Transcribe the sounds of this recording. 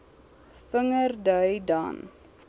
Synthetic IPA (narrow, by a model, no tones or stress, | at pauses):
fəŋərdœɥdɑ̰n